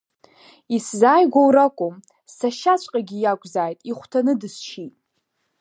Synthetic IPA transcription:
iszaːjɡʷowɾakʷʼom | saʃat͡ɕʷʼqʼaɡʲijakʷʼzaːjtʼiχʷtʰanɨdɨsʃitʼ

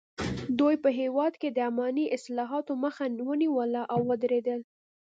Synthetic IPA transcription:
d̪ujpəɦewɑd̪ked̪əamɑniʔɪslɑɦɑt̪oməxawəniwəlaʔawːəd̪ɾed̪əl

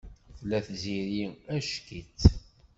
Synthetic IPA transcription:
θlæθziɾiæʃkit͡sː

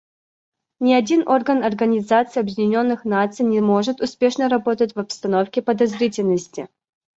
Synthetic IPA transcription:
nʲɪɐdʲino̞rɡənɐrɡənʲɪzat̪sɨɐbjɪdʲɪnʲo̞nːɨxnat̪sɨjnʲɪmo̞ʐɨt̪ʊspʲeʂnərɐbot̪ətʲvɐpst̪ɐnofkʲɪpəd̪ɐzɾʲitʲɪlʲnəsʲtʲɪ

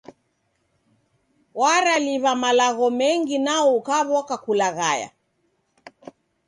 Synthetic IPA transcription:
waɾaliβamalaɣɔmɛŋɡinaukaβɔkakulaɣa̰ja̰

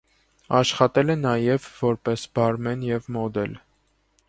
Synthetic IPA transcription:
ɑʃχɑt̪ɛlɛnɑjɛvːɔɾpɛsbɑɾmɛnjɛvmɔd̪ɛl

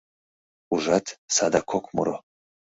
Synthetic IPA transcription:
uʒat̪ʰsad̪akʷʰokʰʷmṵɾo̰

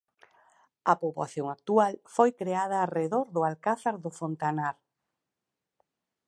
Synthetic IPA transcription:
ɐpoβaθjoŋak̚t̪ualfojkɾeað̞ɐːreðoɾðʊalkaθaɾðʊfont̪anaɾ

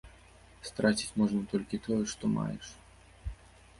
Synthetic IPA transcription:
st̪ɾat͡sʲit͡sʲmɔʐnɐt̪ɔlʲkʲit̪ɔjɛʂt̪ɔma̰jɛ̰ʂ

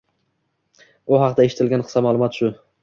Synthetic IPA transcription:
ʊɦɑqd̪aeʃɪt̪ʰɪlɡʲanqʰɨ̥sɑmaːlˠʊmat̪ʃʊ

